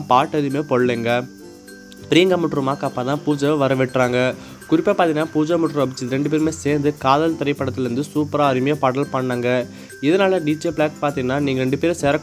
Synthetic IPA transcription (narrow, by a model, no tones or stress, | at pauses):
paːʈːɐɾimeːpɔɭːeːŋɡɐ | pɪɾiːŋɡɐmʊʈːɾɯmaːkɐpːãːt̪ãːpuːd͡ʒɐʋʋɐɾɐʋɪʈːraːŋɡɐ | kʊɾɪpːɐpaːt̪ĩŋɡɐnːaːpuːd͡ʒamʊʈːɾɯɐbɪt͡ʃːɯðɾɛɳɖɯp̬eːɾmeːseːɾnd̪ɯkaːðɐlt̪ɐɾɐɪpːɐɽɐt̪ːɪlɪɾɯnd̪ɯsuːpɐɾaːɐɾɪmɐjeːpɐɽɐlpɐɳːaːŋɡɐ | ɪðɐnaːlɐɖiːd͡ʒebɭaːkpaːɾt̪iŋɡɐnaːniːŋɡɐɾɛɳɖɯpeːɾseːɾɐkː